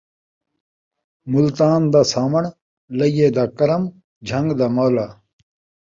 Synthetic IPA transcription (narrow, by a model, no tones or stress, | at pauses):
mult̪aːnd̪aːsaːmɐɳ | lɐijeːd̪aːkɐɾɐm | d͡ʑʱɐŋɡd̪amoːlaː